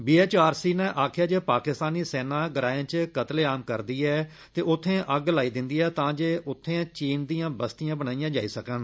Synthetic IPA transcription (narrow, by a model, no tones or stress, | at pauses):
biːeːt͡ʃaːɾsiːnɛ̃ːʔaːkʰɪjaːd͡ʒeːpaːkɪst̪aːniːsɛːnãːɡəɾaːjẽːt͡ʃkət̪leːaːmkəɾd̪iːɛː | t̪eːʔʊt̪ʰːẽːʔəɡlaːiːd̪ɪ̃nd̪iːɛːt̪ãːd͡ʒeːʊt̪ʰːẽːt͡ʃiːnd̪ĩːjãːbəst̪ɪjãːbənaːijãːd͡ʒa̰ːiːsəkən